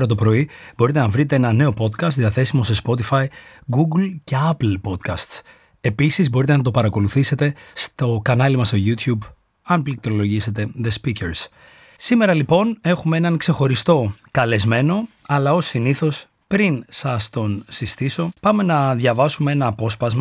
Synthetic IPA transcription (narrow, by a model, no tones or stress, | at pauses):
ɾɐt̪̬o̞pɾo̞ib̥o̞ɾit̪e̞nɐvɾit̪e̞enɐne̞o̞po̞t̪kɐst̪ðiɐθe̞simo̞se̞spo̞t̪ifɐjɡuɡlce̞ɐplpo̞t̪kɐst̪s | e̞pisizbo̞ɾit̪enɐt̪̬o̞pɐɾɐko̞luθise̞t̪e̞st̪o̞kɐnɐlimɐst̪o̞ʝut̪çub | ɐnplik̚t̪ɾo̞lo̞ʝise̞t̪e̞ðe̞spiceɾs | sime̞ɾɐlipo̞ne̞xumee̞nɐnkse̞xo̞ɾist̪o̞kɐle̞zme̞no̞ɐlɐosiniθo̞s | pɾinsɐst̪o̞nsist̪iso̞pɐme̞nɐðʝɐvɐsumee̞nɐːpo̞spɐzmɐ